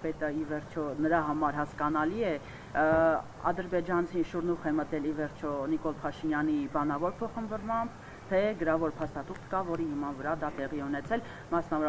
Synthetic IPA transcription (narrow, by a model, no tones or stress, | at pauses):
pɛt̪əivɛɾt͡ʃʰɔnəɾɑɦɑmɑɾɦɑskɑnɑliɛ | ɑ̰d̪əɾbɛd͡ʒɑnt͡sʰinʃuɾnuχɛmət̪ɛlivɛɾt͡ʃʰɔnikɔlpʰɑʃinjɑnibɑnɑvɔɾpʰɔχənvɔɾmɑmb | t̪ʰɛɡəɾɑvɔɾpʰɑst̪ɑt̪uχt̪kɑvɔɾihəmɑnvəɾɑd̪ɑt̪ɛʁiɛunɛt͡sʰɛl | mɑsnɑvɔɾ